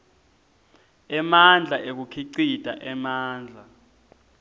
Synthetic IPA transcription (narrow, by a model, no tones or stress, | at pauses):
ɛmand͡ɮʱaʔek̬ukʰiǀid̥ʱa̰ʔɛmaːnd͡ɮʱa